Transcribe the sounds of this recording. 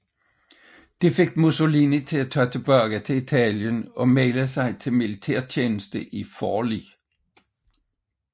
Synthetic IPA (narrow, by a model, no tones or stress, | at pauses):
d̥e̝fe̝ɡ̥̚muso̝linit͡sʰe̝æt͡sʰœɐt͡sʰe̝b̥ɶɐ̰ɡ̥æt͡sʰe̝it͡sʰɛ̰ljənɒ̽meɪləsɑ̈ɪt͡sʰe̝lmilit͡sʰḛɐ̰t͡ɕʰeːnəsd̥əʔifɒːlḭː